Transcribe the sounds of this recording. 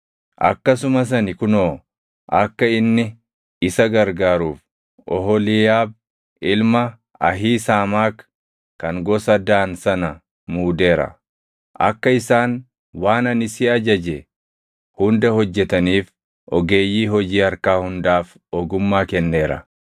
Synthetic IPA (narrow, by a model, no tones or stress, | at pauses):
ʔɐ̰kːɐsʊmɐs̬ɐnɪkʊnoː | ʔɐkːɐɪnːɪ | ɪsɐɡɐɾɡaːɾuːf | ʔɔɦɔlɪjaːb̚ | ɪlmɐ | ɐɦiːsaːmaːk | kɐŋɡɔsɐd̪aːnsɐnɐ | muːd̪e̞ːɾɐ̰ | ʔɐ̰kːɐɪsaːn | waːnɐnɪsiːɐd͡ʒɐd͡ʒɛ | hʊnd̪ɐhɔd͡ʒːɛt̪ɐniːf | ʔɔɡe̞ːjːiːɦɔd͡ʒiːɐɾkaːhʊnd̪aːf | ɔɡʊmːaːkɛnːe̞ːɾɐ̰